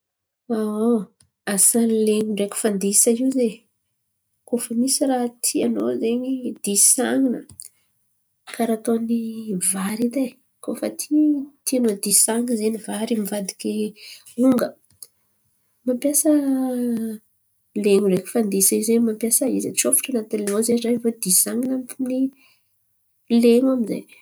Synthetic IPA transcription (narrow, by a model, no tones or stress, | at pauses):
aa | asanleŋuɳɖ͡ʐekʲu̥fand̪isaiwze | kofəmisiraɦt̪ʰianozeɲid̪isaŋinə | kaɾaːt̪onivaɾid̪e | kofə̰t̪ʰit̪ianod̪isaŋɡzenivaɾimivad̪i̥kʲeuŋɡə | mampjasə | leŋureki̥fand̪isaizemampjasəizet͡sofu̥ʈ͡ʂanat̪inlenozeɖ͡ʐajvod̪isaŋinampuni | leŋaminza̰j